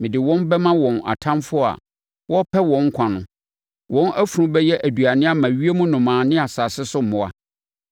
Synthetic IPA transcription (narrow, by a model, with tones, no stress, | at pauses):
mɪ̃˨dɪ˨wɔ̃˦nbɛ˦mã˦wɔ̃˨na̰˨tʰã˦mfʊ˦a̰˨ | wɔ˦pʰɛ˦wɔ̃˨ŋ˦kʷʰã˨nʊ̃˨ | wʔɔ̃˦nʔæ˦fu˨ũ˦bɛ˦jɛ˦ʔæ˨du˨a˨nɪ̃˦a˦mã˨ɥi˦e˦mũ˦nʊ̃˨mãː˨nɪ̃˦a˨saː˨sɪ˦sʊ˦m̩˨mʊ̃˨a̰˨